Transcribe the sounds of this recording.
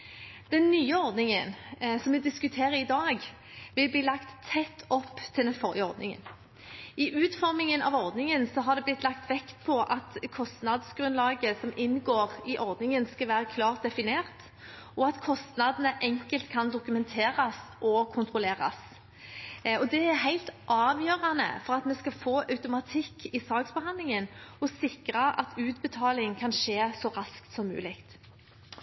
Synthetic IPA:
d̪̥ɛnːyːəɔɾd̪nɪŋənsɔmːɛd̪ɪskʉt̪ʰeːʁəɾɪd̪ɑːɡ | ʋɪlbliːlɑkt̪ʰːɛt̪ʰːɔpːt̪ʰɪld̪ɛnfɔɾjəɔɾd̪nɪ̰ŋə̰n | ʔɪʔʉːt̪fɔɾmɪŋənʔɑ̰ʋɔɾd̪nɪŋənsɔɦɑd̪ɛblɪt̪lɑkt̪ʋɛkt̪̚pʰɔʔɑt̪kʰɔst̪nɑd̪sɡɾʉnlɑːɡəsɔmɪnːɡoːʁɪʔɔɾd̪nɪŋənskɑlʋæːʁəkʰlɑːʁt̪̚d̪ɛfɪneːʁt̪ | ʔɔɑt̪kʰɔst̪nɑd̪nəʔɛŋkəlt̪kʰɑnd̪ʊkʉmɛnt̪ʰeːʁɑsʔɔkʰʊnt̪ʁʊleːʁɑ̰s | ɔd̪ɛæɾɦæɪlt̪ʔɑːʋjøːʁɑnə̰fɔʁɑt̪mɛskɑfoːʔɑʉt̪ʊmɑt̪ʰɪkʰːɪsɑːɡsbəɦɑnd̪lɪŋənɔsɪkɾɑʔɑ̰t̪ʰʉːt̪bət̪ʰɑːlɪŋkʰɑnʃeːsɔʁɑskt̪sɔmːʉ̰ːlɪkt̪

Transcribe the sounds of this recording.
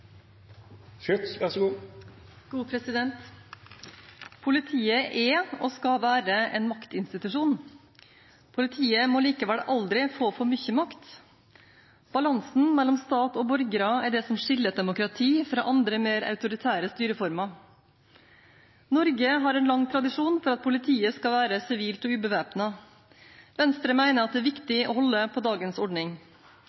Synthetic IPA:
fʏt̪sʋæʂɡuː | ɡ̥uːpʰɾɛsɪd̪ɛnt̪ | pʰʊlɪt̪ʰiːəʔɛɔskɑʋæːɾəɛnmɑkt̪ɪnst̪ɪt̪ʉʂuːn | pʰʊlɪt̪ʰiːəmɔliːkəʋɛlɑld̪ɾɪfoːfɔɾmʏçəmɑkt̪ | b̥ɑlɑnsn̩mɛlːɔmst̪ɑːt̪ɔbɔɾɡəɾɑæɖɛsɔmʂɪlːəd̪ɛmʊkɾɑt̪ʰiːfɾɑ̰ːʔɑnd̪ɾəmeːɾɑ̰ʉt̪ʊɾɪt̪ʰæːɾəst̪yːɾəfɔɾmɑ | nɔɾɡəɦɑɾɛnlɑŋt̪ʰɾɑd̪ɪʂuːnfɔɾɑt̪̚pʰʊlɪt̪ʰiːəskɑʋæːɾəsɪʋiːlt̪ɔʉːbəʋæːpnɑ | ʋɛnst̪ɾəmæɪnəɾɑt̪d̪ɛæːʋɪkt̪ɪɔ̰ːhɔlːəpʰɔd̪ɑːɡənsɔɖɳnɪŋ

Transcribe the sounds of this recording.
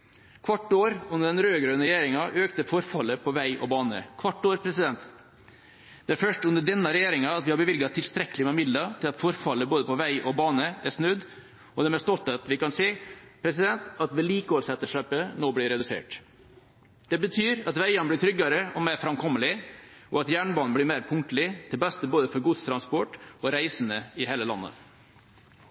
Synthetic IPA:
kʰʋɑʈːoːɾʉndəɖɛnɾøːɡɾøːnəɾɛjeːɾɪŋɑʔøːkt̪əfɔɾfɑlːəpʰɔʋæɪʔɔ̰bɑːnə̰kʰʋɑʈːoːɾpʰɾɛsɪd̪ɛnt̪ | d̪̥ɛæɾfœʂʈʉnəɖɛnːɑɾɛjeːɾɪŋɑɑt̪ʋɪhɑɾbəʋɪlɡɑt̪ʰɪlst̪ɾɛkːəlɪmɛmɪd̪lɑt̪ʰɪlɑt̪fɔɾfɑlːəboːd̪əpɔʋæɪʔɔbɑːnəæsnʉd̪ | ɔd̪ɛːmɛst̪ɔlt̪ɑt̪ʋɪkɑnseːpʰɾɛsɪd̪ɛnt̪ɑt̪ʋɛliːkəoːɾsɛt̪ːəʂøːpənoːblɪɾɛd̪ʉsḛːʈ | d̪̥ɛbət̪ʰyːɾɑt̪ʋæɪɑnblɪʈ̪ʰɾʏɡːɑɾəɔmeːɾfɾɑmkʰɔmːəlɪɔɑt̪jæːɳbɑːn̩blɪmeːɾpʰʊŋkt̪əlɪt̪ʰɪlbɛst̪əboːd̪əfɔɾɡʊt̪st̪ʰɾɑnspɔʈɔɾæɪsənəɪheːləlɑ̰nːə̰

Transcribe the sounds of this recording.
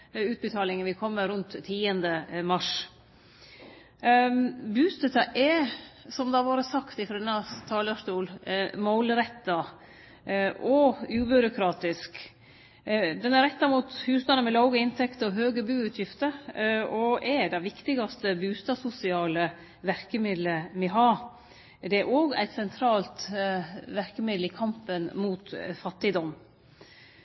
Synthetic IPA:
ʉːt̪̚bət̪ʰɑːlɪŋənʋɪkʰɔmːəɾʉnt̪ʰːiːənd̪əmɑʂ | bʉːst̪ɛt̪ɑʔɛsɔmd̪ɑʋoːɾəsɑkt̪ɪfɾɛnɑt̪ʰɑːlɑʂt̪uːlmɔʊlɾɛt̪ːɑ | ʔɔʉːbʏɾʊkʰɾɑːt̪ɪsk | d̪ɛnæɾɛt̪ːɑmuːt̪hʉːsnɑnəmɛlɑːɡəɪnt̪ʰɛkt̪əɾɔɦøːɡəbʉːʉːt̪ʰjɪft̪əɾɔʔɛd̪ɛʋɪkt̪ɪɡɑst̪əbʉːst̪ɑsʊsɪɑːlə | ʋæɾkəmɪd̪ləmɛɦɑː | d̪ɛæɾʔoːɡæ̰ɪt̪sɛnt̪ʰɾɑːlt̪ | ʋæɾkəmɪd̪l̩ɪkʰɑmpənmuːt̪fɑt̪ːɪd̪ɔmː

